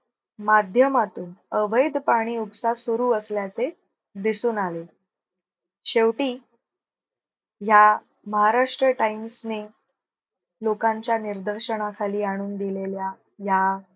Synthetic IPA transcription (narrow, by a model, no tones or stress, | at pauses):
mad̪ʱjəmat̪uːnəʋəjd̪paɽ̃iːupsasuɾuːəsljat͡se | d̪isuːnale | ɕeʋʈiː | ja | məɦaɾaʂʈɾəʈaimsne | lokãɲt͡ɕjaniɾd̪əɾɕəɽ̃akʰaliːaɽ̃uːnd̪ilelja | ja